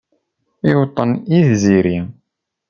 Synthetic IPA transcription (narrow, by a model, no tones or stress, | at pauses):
ɪwt̪ˤːəniðziɾi